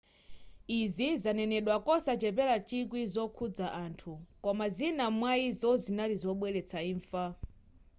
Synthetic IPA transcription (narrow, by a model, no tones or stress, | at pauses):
izizanɛnɛɗwakɔsat͡ʃɛpɛlat͡ʃik̬wizɔkʰud͡zaʔantʰukɔmazinamwaizɔzinalizɔɓwɛlɛt͡sʰaiːɱfa